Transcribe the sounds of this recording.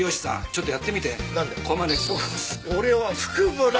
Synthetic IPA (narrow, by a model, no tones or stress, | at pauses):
joɕi̥sã̰t͡ɕot̪ːojat̪ːe̞mʲit̪enãnd̪ekʰomad̪e | oɾe̞βaɸɯ̥kɯbɯɾ